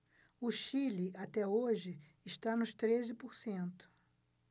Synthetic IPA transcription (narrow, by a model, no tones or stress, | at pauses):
ʊʃilɪʔat̪ɛoʒɪ | ɪʃt̪anʊʃt̪ɾezɪpʊɾsẽnt̪ʊ̥